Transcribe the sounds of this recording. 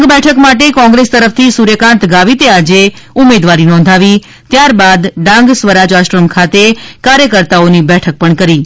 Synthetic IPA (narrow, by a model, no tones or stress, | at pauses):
ŋɡbɛʈʰəkmaʈ̬ekɔ̃ŋɡɾest̪əɾəft̪ʰisuɾjəkãnt̪ɡaʋit̪ead͡ʒeumed̪ʋaɾinɔ̃n̆d̪ʱaʋi | t̪jaɾbad̪ɖãŋɡsʋəɾad͡ʒaʃʈɾəmkʰat̪ekaɾjəkəɾt̪aonibɛʈʰək̚pəɳkəɾi